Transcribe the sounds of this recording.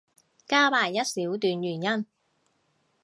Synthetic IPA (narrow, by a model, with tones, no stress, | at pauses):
kaː˥paː˨˩jːɐ˥t̚siː˨˥wt̪yː˨njyː˨˩njɐ˥n